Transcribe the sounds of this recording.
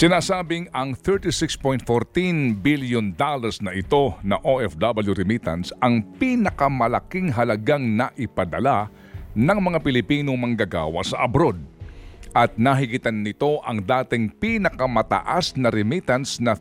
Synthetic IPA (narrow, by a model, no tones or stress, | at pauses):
sɪnaːsaːbɪŋɐŋθɛɹt̪ɪsɪkspojnt̪̚foɾt̪inbiljond̪alɐɾsnɐʔɪt̪o̞nɐʔoʔɛfd̪abɐljuɾɪmit̪ɐ̰nsɐŋpinɐkɐmɐlɐkiŋɦɐlɐɡaŋnɐʔɪpɐd̪ɐla | nɐŋmɐŋapɪlɪpiːnoŋmɐŋɡaɡa̰ːwɐ̰sɐʔɐbɾod̪̚ʔɐt̪̚nɐɦɪɡɪt̪anːɪt̪o̞ʔɐŋd̪aːt̪ɪŋpinɐkɐmɐt̪ɐ̰ʔasnɐɾɪmit̪ɐnsnɐ